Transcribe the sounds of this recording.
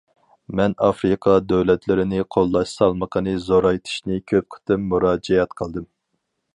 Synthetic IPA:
mɛnɑfɾɨqʰɑd̪øwlɛt̪ʰlɪɾɪnɪqʰolˠːɑʃsɑlˠməqʰənɨzoɾɑjt̪ʰi̥ʃnɨkʲʰøp̚qʰə̥t̪ʰɨmːuɾɑːd͡ʒɛjɛt̪qʰəlˠd̪ɨm

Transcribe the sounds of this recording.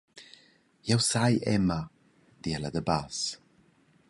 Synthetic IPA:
jawsajʔɛ̰ma | d̪iɛlˠadəbaːs

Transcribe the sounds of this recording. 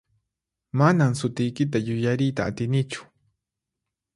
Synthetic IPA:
manamsʊt̪ɪjkɪt̪̬ajʊjaɾɪjt̪aːt̪ɪnɪt͡ʃʊ̥

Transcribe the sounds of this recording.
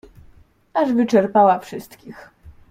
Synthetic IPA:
aʐvɘt͡ʂɛɾpawafʂɘst̪kʲix

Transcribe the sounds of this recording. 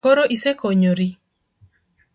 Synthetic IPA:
oɾoʔisekoɲoɾi

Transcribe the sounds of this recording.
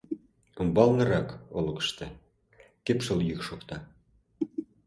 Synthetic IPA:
ŭmbɑlnɤ̆ɾɑkolɤ̆kə̥̆ʃt̪e | kepʃoljykʃokt̪ɑ

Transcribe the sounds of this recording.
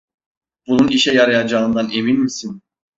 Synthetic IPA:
b̥ununiʃɛjaɾajad͡ʒaɯnd̪aneminmisin

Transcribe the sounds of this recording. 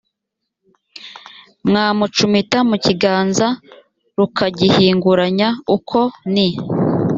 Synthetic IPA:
mŋaːmut͡ʃumitamuciɡaːnza | ɾukaɟihiːŋɡuɾaɲaukʰo̞ni

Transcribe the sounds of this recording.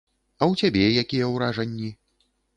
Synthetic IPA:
ɐwt͡sʲabʲɛjakʲijɛwɾaʐɐnʲːi

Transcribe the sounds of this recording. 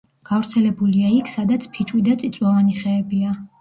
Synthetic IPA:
ɡ̥avɾt̪sʰɛlɛbuliaikʰsad̪at̪sʰpʰit͡ʃʼwid̪at̪sʼit̪sʼwavaniχɛːbia

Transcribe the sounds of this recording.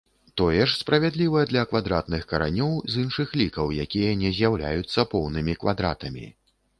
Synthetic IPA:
t̪ɔjɛʂspɾɐvʲɛd̪lʲivɐjɛd̪lʲɐkvad̪ɾat̪nɨxkɐɾa̰nʲɔwzinʂɨxlʲikɐwjakʲijɐnʲɛzʲjawlʲa̰jut̪sːɐpɔwnɨmʲikvad̪ɾa̰t̪ɐmʲḭ

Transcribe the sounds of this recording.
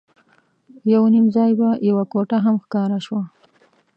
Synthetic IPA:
jawnimzɑjbajawakoʈaɦamxkɑɾaʃwa

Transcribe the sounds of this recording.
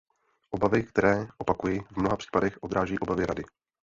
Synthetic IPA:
ʔobavɪkt̪ɛɾɛːʔopakujivmnoɦapr̥i̥ːpadɛxʔo̞d̪ɾaːʒɛjːʔo̞bavɪɾa̰dɪ

